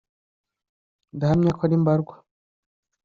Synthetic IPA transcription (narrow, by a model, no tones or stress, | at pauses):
ndaɦamɲakʰwaɾimbaɾɡwḁ